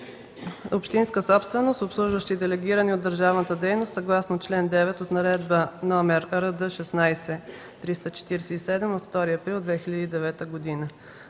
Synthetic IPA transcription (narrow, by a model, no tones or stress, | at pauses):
opʃt̪inskəsɔpst̪vɛnost̪opslˠuʒvəʃt̪id̪ɛlɛɡʲiɾəniod̪ːəɾʒavnət̪əd̪ɛjnost̪sɐɡlˠasnot͡ʃlɛnd̪ɛvɛt̪ot̪nɐɾɛd̪bənɔmɛɾɾəd̪əʃɛsnajsɛ | t̪ɾist̪ət͡ʃɛ̥t̪iɾɛsɛisɛd̪ɛmot̪ft̪ɔɾiɐpɾilˠd̪vɛxiʎʲəd̪id̪ɛvɛt̪əɡod̪inə